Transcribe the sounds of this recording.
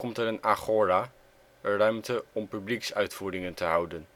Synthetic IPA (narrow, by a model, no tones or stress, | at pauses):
kɔmtəɾɪnaχoːɾa | ərœɥmtəɔmpybliksœɥtfuːdɪŋəntəɦɑwdən